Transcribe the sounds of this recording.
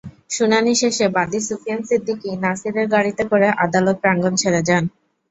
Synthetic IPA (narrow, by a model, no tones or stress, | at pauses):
ʃunaniʃeʃebad̪isufijansid̪ːikinasiɾeɾɡaɽit̪ekoɾeʔad̪alot̪̚pɾaŋɡont͡ɕʰeled͡ʑan